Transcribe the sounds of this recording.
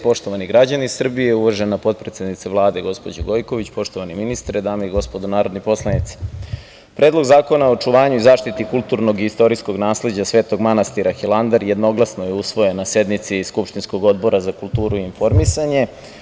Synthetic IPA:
po̞ʂt̪o̞ʋaniɡɾad͡ʑaniisr̩bijeuʋoʒenapo̞t̪̚pɾet̪sed̪nit̪seʋlˠaːd̪e̞ɡo̞spo̞d͡ʑoɡo̞jko̞ʋit͡ɕpo̞ʃt̪oʋaniminist̪ɾed̪aːmeiɡo̞spo̞d̪onaːɾod̪nipo̞slˠanit̪si̥ | pɾʔeːd̪lo̞ɡzaːko̞naot͡ʃuʋaːɲuizaːʃt̪it̪ikulˠt̪uɾno̞ɡist̪o̞ɾiskoɡnaːsle̞d͡ʑasʋe̞ːt̪o̞ɡmanast̪iɾaxilˠand̪aɾjed̪no̞ɡlˠasnojeusʋo̞jenːase̞d̪nit̪siskupʃt̪insko̞ɡo̞d̪bo̞ɾazakulˠt̪uːɾuiːnfo̞ɾmisaɲe̞

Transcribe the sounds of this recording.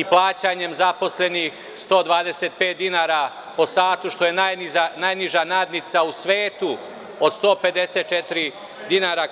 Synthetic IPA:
iplaːt͡ɕaɲe̞mzapo̞sle̞nix | st̪o̞ːd̪ʋaːd̪eset̪̚peːt̪̚d̪inaːɾa | po̞saːt̪uʃt̪o̞jenajnizanajniʒanaːd̪nit̪sausʋeːt̪u | od̪st̪o̞ːpe̞d̪eset̪̚t͡ʃet̪ɾi | d̪inaːɾa

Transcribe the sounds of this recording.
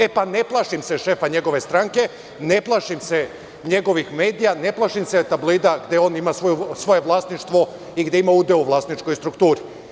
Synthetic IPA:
epane̞plˠaʃimseʃe̞ːfaɲe̞ɡo̞ʋe̞st̪ɾaŋke̞ | ne̞plˠaʃimse | ɲe̞ɡo̞ʋixme̞ːd̪ijane̞plˠaʃimset̪abloid̪aɡd̪eo̞nimasʋo̞jusʋo̞jeʋlˠaːst̪niʃt̪ʋo̞ | iɡd̪eimaud̪euʋlˠaːst̪nit͡ʃkojst̪ɾukt̪uːɾi

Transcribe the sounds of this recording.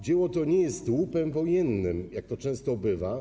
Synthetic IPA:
d͡ʑɛwɔt̪ɔɲɛjɛst̪wupɛmvɔjɛnːɘmjak̚t̪ɔt͡ʂɛ̃w̃st̪ɔbɘva

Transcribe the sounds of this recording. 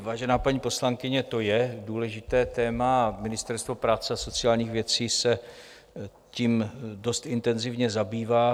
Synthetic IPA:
vaːʒɛnaːpaɲiːpo̞slaŋkɪɲɛt̪o̞jɛduːlɛʒɪt̪ɛːt̪ɛːmamɪnɪst̪ɛɾst̪vo̞pɾaːt͡sɛaso̞t͡sɪaːlɲiːxvjɛt͡siːsɛ | ciːmdo̞st̪ɪnt̪ɛnzɪvɲɛzabiːvaː

